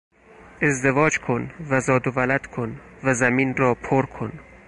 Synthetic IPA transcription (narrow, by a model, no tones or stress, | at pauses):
ezd̪evɒːd͡ʒkʰonvæzɒːd̪ovælæd̪̥kʰonvæzæmiːnɾɒːpʰoɾkʰon